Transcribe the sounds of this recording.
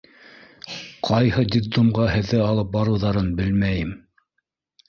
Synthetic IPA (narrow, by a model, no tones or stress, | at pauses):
qʰɑjhɤd̪ʲid̪umʁɑhɘ̆ðːɘɑlˠɤp̚bɑɾɤ̆wðɑɾɤnbɘlmæjɘm